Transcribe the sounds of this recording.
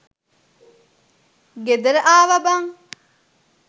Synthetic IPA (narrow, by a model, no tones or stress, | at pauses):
ɡed̪əɾʔaːʋɐbɐŋ